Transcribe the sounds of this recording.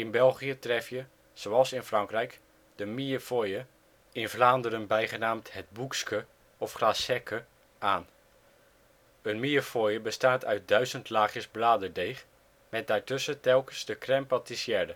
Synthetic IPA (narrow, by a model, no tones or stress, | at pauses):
ɪnbɛlˠχiətrɛfjə | z̥owɑlˠsɪnfrɑŋkrɛjk | d̥əmiəfojə | ɪnvlaːndəɾənbɛjχənaːmthɛt̚bukskə | ɔfχrasɛkʰə | ʔaːn | ənmiəfojəbəstaːtʰœɥt̚dœɥzəntlaːχjəzblaːdədejχ | mɛt̚daːɹtɵsətɛlˠkənsdəkrɛmpatisjɛːdə